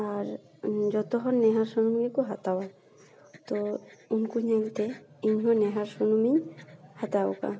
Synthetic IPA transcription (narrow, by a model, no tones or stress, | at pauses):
aɾ | d͡ʒɔt̪ɔɦɔɾnɛɦaɾsɔnumɡikuɦat̪awa | t̪ɔunkuɲalt̪ɛiɲɦɔnɛɦaɾsɔnumihat̪aɔ̰ka̰